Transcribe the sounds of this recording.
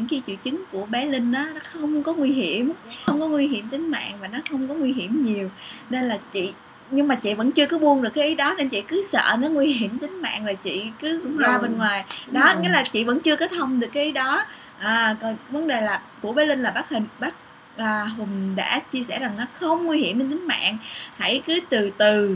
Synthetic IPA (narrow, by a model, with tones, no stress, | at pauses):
ɲɨ̰˧˥ŋki˨˦t͡ɕḭ˧˨t͡ɕɨ˨˦ŋku˧˩əɓe˨˦lï˧ŋ̟ʔaː˨˦nɔ˨˦xə˧wŋ͡mkɔ˨˦ŋwi˧ɦi˧˩˨əmxə˧wŋ͡mkɔ˨˦ŋwi˧ɦi˧˩əmt̪ï˨˦ŋ̟ma̰ː˧˨ŋvaː˨˩nɔ˨˦xə˧wŋ͡mkɔ˨˦ŋwi˧ɦi˧˩əmɲi˨˩əwne˧nlaː˨˩t͡ɕḭ˧˨ | ɲɨ˧ŋmaː˨˩t͡ɕḭ˧˨və̰˧˥nt͡ɕɨ˧əkɔ˨˦ɓu˧ənɗɨ˨˩əkːaː˨˦ʔi˨˦ɗɔ˨˦ne˧nt͡ɕḭ˧˨kɨ˨˦sə̰ː˧˨nɔ˨˦ŋwi˧hi˧˩əmt̪ï˨˦ŋ̟ma̰ː˧˨ŋlaː˨˩t͡ɕḭ˧˨kɨ˨˦˧ŋ͡mzaː˧ɓe˧nŋwaː˨˩jɗɔ˨˦ŋḭ˧˨˥laː˨˩t͡ɕḭ˧˨və̰˧˥nt͡ɕɨ˧əkɔ˨˦t̪ʰə˧wŋ͡mɗɨ˨˩əkːaː˨˦ʔi˨˦ɗɔ˨˦ | ʔaː˨˩˨və˨˦nɗe˨˩laː˨˩ | ku˧˩əɓeː˨˦lï˧ŋlaː˨˩ɓaː˦˥k̚hï˨˩ŋɓaː˦˥k̚ | ʔəː˨˩ɦʊ˨˩ŋ͡mɗa̰ː˧˥t͡ɕi˧əsɛ̰˧˩za˨˩ŋnɔ˨˦xə˧wŋ͡mŋwi˧hi˧˩əmɗe˧nt̪ï˨˦ŋ̟ma̰ː˧˨ŋha̰˧˩jkɨ˨˦t̪ɨ˨˩t̪ɨ˨˩